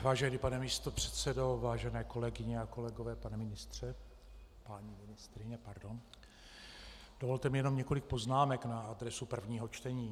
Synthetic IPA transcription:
vaːʒɛniːpanɛmiːst̪o̞pr̝̥ɛt̪sɛdo̞vaːʒɛnɛːko̞lɛɡɪɲɛako̞lɛɡovɛːpanɛmɪnɪst̪r̝̥ɛ | paɲimɪnɪst̪ɾɪɲɛpaɾdo̞n | d̥ovo̞lt̪ɛmɪjɛno̞mɲɛko̞lɪk̚po̞znaːmɛknaadɾɛsupr̩vɲiːɦo̞t͡ʃt̪ɛɲiː

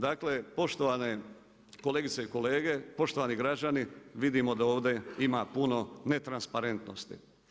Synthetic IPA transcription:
d̪aːkle̞po̞ʃt̪oʋane | ko̞leːɡit̪seiko̞le̞ːɡe̞po̞ʃt̪o̞ʋaniɡɾad͡ʑaniʋid̪imod̪ao̞ːʋd̪e̞imapuno̞ne̞t̪ɾanspaɾe̞nt̪nost̪ḭ

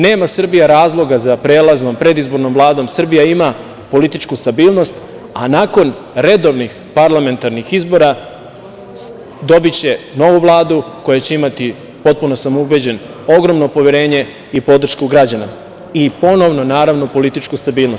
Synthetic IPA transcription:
ne̞ːmasr̩bijaɾaːzlˠo̞ɡazapɾe̞ːlˠazno̞mpɾe̞d̪izbo̞ɾno̞mvlˠaːd̪o̞msr̩bijaima | po̞lit̪it͡ʃkust̪abiːlˠno̞st̪ | anaːko̞n | ɾe̞d̪o̞ʋnix | paɾlame̞nt̪aɾnixizbo̞ɾa | d̪o̞bit͡ɕe̞no̞ʋuʋlˠaːd̪uko̞jat͡ɕe̞imat̪i | po̞t̪̚puno̞samoubed͡ʑe̞n | o̞ɡɾo̞mno̞po̞ʋjeɾe̞ːɲe̞ | ipo̞d̪r̩ʃkuɡɾad͡ʑana | ipo̞no̞ʋno̞naːɾaʋno̞po̞lit̪it͡ʃkust̪abiːlˠno̞st̪

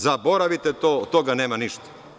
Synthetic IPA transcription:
zabo̞ɾaʋit̪et̪ot̪ːoɡaneːmaniʃt̪ḁ

